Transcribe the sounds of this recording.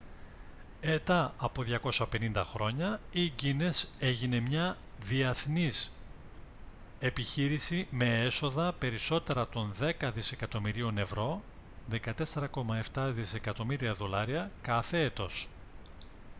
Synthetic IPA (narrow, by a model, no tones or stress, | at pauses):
et̪ɐɐpo̞ðʝɐko̞sɐpe̞nind̪ɐxɾo̞ɲɐiɟine̞se̞ʝine̞mɲɐ | ðiɐθnis | e̞piçiɾisime̞eso̞ðɐpe̞ɾiso̞t̪e̞ɾɐt̪o̞nðe̞kɐðise̞kɐt̪o̞miɾio̞ne̞vɾo̞ | ðe̞kɐt̪e̞se̞ɾɐko̞mɐe̞ft̪ɐðise̞kɐt̪o̞miɾiɐðo̞lɐɾiɐkɐθe̞et̪o̞s